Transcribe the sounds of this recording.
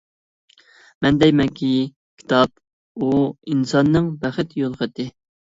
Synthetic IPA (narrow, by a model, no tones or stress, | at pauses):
mɛnd̪ɛjmɛkʲʰi | kʲʰi̥t̪ʰɑp | uinsɑnːɨŋbæχɨt̪jolˠχət̪ɪ